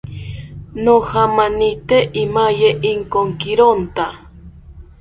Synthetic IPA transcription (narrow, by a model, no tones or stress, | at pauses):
nohamanit̪eʔimajeʔɪŋkoŋkɪɾont̪a